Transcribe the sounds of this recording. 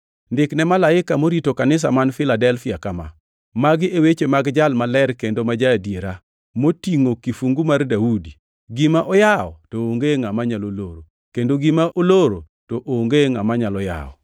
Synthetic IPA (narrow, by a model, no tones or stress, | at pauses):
ndɪknɛmalaɪkamoɾitokanɪs̬a̰manfɪladɛlfɪakama̰ | maɡɪʔewet͡ʃemaɡd͡ʒalmalɛɾkendomad͡ʒadjeɾa | motiŋokifuŋɡumardaudi | ɡɪmaʔɔjaɔ̰tooŋɡeŋamaɲaloloɾo | kendoɡimaʔoloɾo | toʔoŋɡeŋamaɲalɔja̰ɔ̰